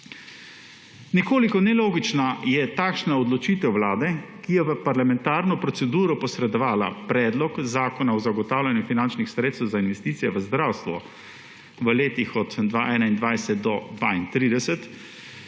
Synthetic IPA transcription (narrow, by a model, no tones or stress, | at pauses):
nikoːlikɔnɛloːɡit͡ʃnajɛt̪aːkʃnaɔd̪lɔt͡ʃiːt̪ɛwwlaːd̪ɛkijɛʋəpaɾlamɛnt̪aːɾnɔpɾɔt̪sɛd̪uːɾɔpɔsɾɛd̪ɔʋaːla̰pɾɛːd̪lɔkzaːkɔnaɔzaɡɔt̪aːwlanjufinant͡ʃnixsɾet̪st̪ɛwzainʋɛst̪iːt̪sijɛʋəzd̪ɾaːwst̪ʋɔ̰ | ʋəleːt̪ixɔd̪d̪ʋaʔɛːnaind̪ʋajsɛt̪̚d̪ɔd̪ʋaːint̪ɾid̪ɛsɛt̪